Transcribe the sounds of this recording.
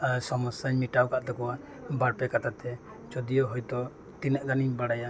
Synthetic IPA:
sɔmɔsaɲmiʈawkaʔt̪ɔkɔwa | baɽpɛkat̪ʰat̪ɛ | t͡ʃɔd̪ijɔɦɔjt̪ɔ | t̪inɛʔd̪aniɲbaɽaja

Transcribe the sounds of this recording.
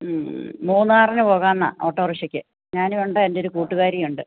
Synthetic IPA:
muːnːaːrinɨpo̞ːɣaːnːɐ̰ʔo̞ːʈːoːruɕɐkʲːɨ | ɲaːniʋuɳɖɨe̞ndeoɾukuːʈːuɣaːɾijuɳɖɨ

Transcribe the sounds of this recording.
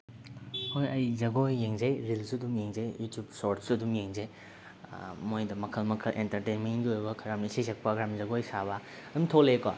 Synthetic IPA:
mojɐjzɐɡojːeŋzɐjɾilsuduŋjeŋzɐjjutjubsoɾtsuɐdumjeŋzej | mojdɐmɐkʰɐlmɐkʰɐlʔḛntɐɾtejnmenɡiojbɐkʰɐɾamnisisek̚pɐkʰɐɾamzɐɡojsaβɐ | ɐdumtʰoleka

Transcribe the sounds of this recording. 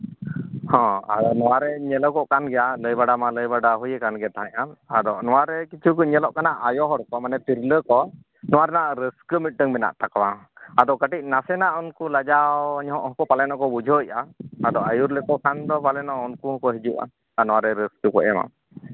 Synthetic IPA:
hɔ̃a̰d̪ɔnɔwaɾɛɲɛlɔkɔʔkanɡɛjaləjbaɖamaləjbaɖaɦujɛkanɡɛt̪aɦãɲaad̪ɔnɔwaɾɛkit͡ʃʰukɔɲɛlɔʔkanaʔajɔɦɔɾkɔmanɛt̪iɾləkɔ | nɔwaɾɛnaʔɾəskəmiʈ̚ɖəŋbɛna̰ʔt̪akawaad̪ɔkəʈic̚ˀnasɛnaʔunkulad͡ʒaɲɦɔʔɦɔkɔpalɛnɔkɔbud͡ʒʱɔiʔaːd̪ɔajuɾlɛkɔkʰand̪ɔpalɛnɔunkuɦɔkɔɦid͡ʒuʔa̰ | anɔwaɾɛɾəskəkɔ̰ʔɛ̰ma̰

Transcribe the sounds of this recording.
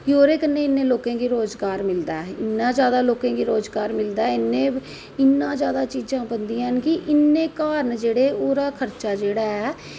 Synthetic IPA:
oːɾeːkənːẽːɪnːẽːloːkãːɡiːɾoːzɡaːɾmɪld̪aːɛːɪnːãːzjaːd̪aːloːkãːɡiːɾoːzɡaːɾmɪld̪aːɛɪnːẽː | ɪnːãːzjaːd̪aːt͡ʃiːd͡ʒãːbənd̪ĩːãɦənkɪʔɪnːẽːkaːɾəɳd͡ʒeːɽeːoːɾaːkʰəɾt͡ʃaːd͡ʒeːɽaːɛː

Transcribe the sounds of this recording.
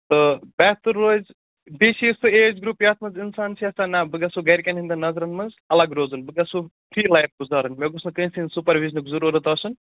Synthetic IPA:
t̪ɨbɛːt̪uɾːoːz | besist̪ueːd͡ʒɡɾupjaːt̪ʰmɐnzinsaːnsʰiɐst̪anabɨɡɐsuɡɐjɾkʲɐnɦind̪ɐnɐzɾɐnmɐnz | ɐlɐɡɾoːzɨnbɨɡɐsupʰɾiːlajf̚ɡuzaːɾɐnmeɡusʰnkɐĩsinsupɐɾʋiznɨkzɐɾuːɾɐt̪ɔsɨn

